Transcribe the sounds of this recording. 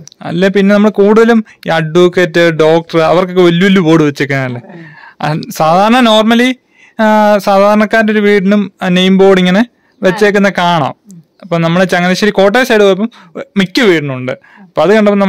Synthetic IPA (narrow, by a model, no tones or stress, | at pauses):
ɐ̰lːepinːe̞nɐmːɐɭkuːɽuðɐlumɐɖukːeːtːɨɖo̞ːk̚ʈɐrɨɐ̰ʋɐrkokːeʋɐlːuʋɐlːuboːɽɨʋet͡ɕːeːkːɐaɳɐlːeɐ̰saːd̪ʱaːɾɐɳɐno̞ːrmɐli | saːd̪ʱaːɾɐɳɐkːaːɾndo̞ɾuʋiːɽɳumnejmbo̞ːɽiŋːɐne | ʋet͡ɕːe̞ːkːunːɐkaːɳa̰ːm | ɐpːomnɐmːɐɭet͡ɕːɐŋːɐleɕɐɾiko̞ːʈ̬ːeːsajiɽɨpoːjepːɐmː | ikʲːɨʋiːʈɳumuɳɖɨ̰ | ɐpːoːɐðɨkɐɳɖɐpːɐmnɐm